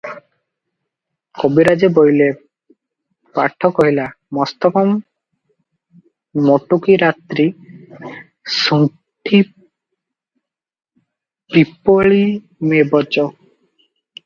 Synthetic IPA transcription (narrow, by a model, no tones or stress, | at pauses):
kobiɾad͡ʑebojle | paʈʰːɔkɦɔɦila | mɔst̪ɔkɔm | oʈukiɾat̪ɾi | su | ʈʰi | pipoɭi | mebɔd͡ʒo